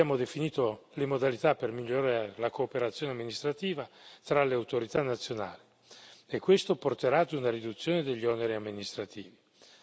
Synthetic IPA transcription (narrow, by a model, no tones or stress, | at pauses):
jaːmod̪efiniːt̪olemod̪alit̪apːermiʎːoɾaːɾeelakoːpeɾat̪sːjoːneamːinist̪ɾat̪iːvat̪ɾaleawt̪oɾit̪anːat̪sːjona̰ːli | ekːwest̪oport̪eɾaːd̪unaɾid̪ut̪sːjoːned̪eʎːiɔneɾiamːinist̪ɾat̪iːvi